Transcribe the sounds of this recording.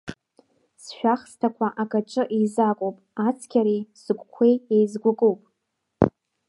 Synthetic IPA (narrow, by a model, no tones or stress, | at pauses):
sʃᶣaχstʰakʷʰaʔakʼaʈ͡ʂʼɨʔizakʷʼowpʼat͡sʰkʲʰaɾijsɨɡʷkʷʰejejzɡʷʊkʼowpʼ